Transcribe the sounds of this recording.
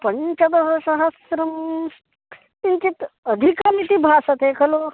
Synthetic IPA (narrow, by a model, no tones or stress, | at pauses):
pəɲt͡ʃɐd̪ɐsɐsɐɦɐsɾɐm | int͡ʃit̪əd̪ʱikɐmit̪ibʱaːsɐt̪ekʰɐlo